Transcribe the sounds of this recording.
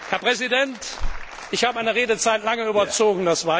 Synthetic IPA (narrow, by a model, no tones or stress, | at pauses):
hɛɐpʁ̥ɛzidɛnt | ʔɪçhaːbəaɪnəʁeːdət͡saɪtlaŋəyːbɐt͡soːɡŋ̩dasv̥aɐ